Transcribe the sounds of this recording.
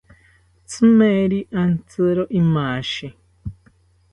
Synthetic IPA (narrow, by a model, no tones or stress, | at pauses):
t͡sɨmeɾiʔant͡sɨɾɔʔimaːʃi